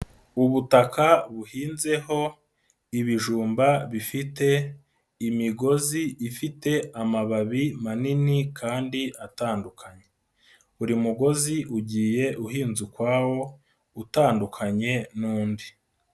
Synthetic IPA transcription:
uβutakʰaβuhiːnze̞ho̞ | iβiʒuːmbaβifite̞ | imiɡo̞ziifite̞amaβaβimaninikʰaːndiʔataːndukʰaɲe̞ | uɾimuɡo̞ziʔuɟiːje̞ʔuhiːnzukwaːwo̞ | utaːndukʰaɲe̞nuːndi

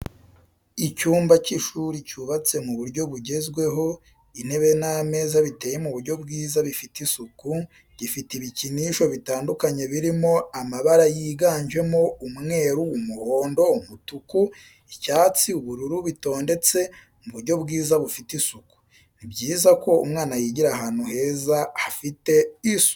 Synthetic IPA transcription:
icuːmbaciʃuɾicuβat͡se̞muβuɾɟo̞βuɟe̞zɡwe̞ɦo̞ | in̥e̞βe̞name̞ːzaβite̞ːje̞muβuɾɟo̞bɡiːzaβifitisuku | ɟifitiβiciniːʃo̞βitaːndukaɲe̞βiɾimo̞amaβaɾajiːɡaːɲʒe̞mo̞umŋe̞ːɾuːmuho̞ːndo̞umutuku | icaːt͡siuβuɾuɾuβito̞ːnde̞t͡se̞ | muβuɾɟo̞βɡiːzaβufitisuku̥ | nibɟiːzako̞ṵmŋaːnajiːɟiɾaɦaːn̥uhe̞ːzaafite̞isu̥

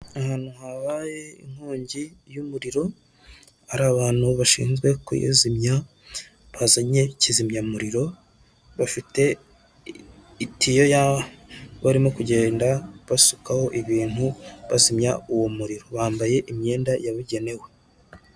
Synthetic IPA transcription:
ahaːn̥uhaβaːje̞ḭŋhuːɲɟijumuɾiɾo̞ | aɾaβaːn̥huβaʃḭːnzɡwe̞kṵjḛzimɲa | βazaɲe̞cizimɲamuɾiɾo̞ | βafite̞ | itijo̞jaβaβaɾimokuɟe̞ːndaβasukaho̞ʔiβiːn̥huβazimɲauwomuɾiɾo̞βaːmbaje̞ʔimɲe̞ːndajaβuɟe̞ne̞we̞

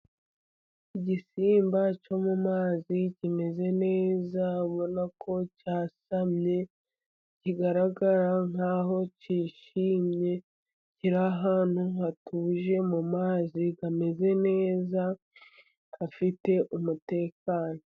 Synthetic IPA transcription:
iɟisiːmbat͡ʃo̞mumaːzicime̞ze̞ne̞ːzaβo̞nakʰo̞caːsamɲe̞ | ciɡaɾaɡaɾaŋ̥aːɦo̞ciːʃiːmɲe̞ | ciɾaɦaːn̥huŋatuːʒe̞mumaːzikame̞ze̞ne̞ːza | afite̞ʔumute̞ːkaːno̞

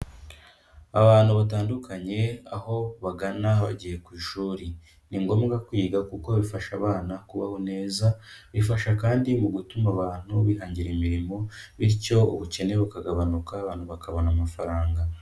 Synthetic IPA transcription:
aβaːn̥huβat̬aːndukʰaɲe̞aho̞βaɡanaβa̰ɟije̞kwiːʃuːɾi | niŋɡo̞ːmɡakwiːɡakuko̞βifaʃaβaːnakuβahone̞ːzaβifaʃakaːndimuɡutumaβaːn̥huβihaːɲɟiɾemiɾimo̞βiɾco̞uβuce̞ne̞βukaɡaβanukaːβaːn̥huβakaβonamafaɾaːŋɡa

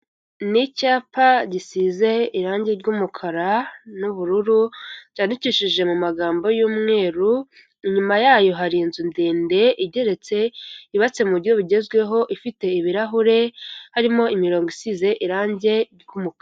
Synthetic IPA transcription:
nicaːpaɟisiːze̞iɾaːɲɟe̞ɾɟuːmukʰaɾanuβuɾuɾuɟaːndiciʃiʒe̞mumaɡaːmbo̞juːmŋe̞ːɾu | iɲumajaːjo̞ɦaɾiːnzindeːnde̞ʔiɟe̞ɾe̞t͡se̞iβat͡se̞muɾo̞βiɟe̞zɡwe̞ɦo̞ʔifite̞iβiɾaɦuɾe̞haɾimo̞imiɾo̞ːŋɡisiːze̞ʔiɾaːɲɟe̞ɾɟumuka

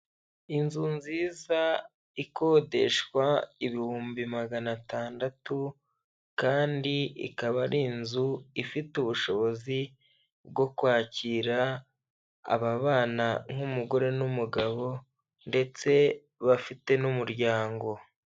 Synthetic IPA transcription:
inzunziːza | iko̞ːde̞̰ʃkwaiβihuːmbimaɡanataːndatu | kaːndiḭkaβaɾinzuifituβuʃo̞βo̞zi | b̚ɡo̞kwaːciːɾa̰ː | βaβaːnaŋ̥umuɡo̞ɾe̞numuɡaβo̞ | nde̞t͡se̞ | βafite̞numuɾɟaːŋɡo̞

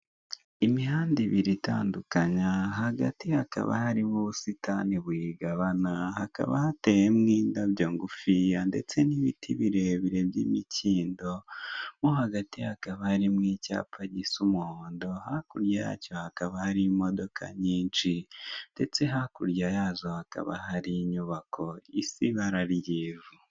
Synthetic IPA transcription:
imihaːndiβiɾita̰ːndukaɲaɦaɡa̰tihaka̰βa̰haɾimuβusitʰaniβwiɡaβanahaka̰βa̰hate̞jemŋiːndabjoːŋɡufijande̞̰t͡se̞niβitʰiβiɾeβiɾe̞bjiːmiciːndo̞muɦaɡatihakaβahaɾimŋiːca̰ːpʰaɟisumuhoːndo̞hakuɾjaja̰co̞hakaβahaɾimo̞do̞kʰa̰ɲiːnt͡ʃind̥e̞t͡se̞ɦakuɾjajaːzo̞haka̰βa̰ɦaɾiɲuβakʰo̞ḭsiβaɾaɾjeːvu

